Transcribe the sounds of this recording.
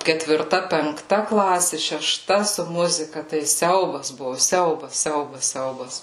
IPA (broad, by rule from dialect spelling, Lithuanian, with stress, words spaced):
kʲɛtʲʋʲɪrˈtɐ pʲɛŋkˈtɐ ˈklˠɑːsʲeː ʃʲɛˈʃtɐ sʊ ˈmʊzʲɪkɐ tɐɪ ˈsʲɛʊbɐs ˈbʊʋoː ˈsʲɛʊbɐs ˈsʲɛʊbɐs ˈsʲɛʊbɐs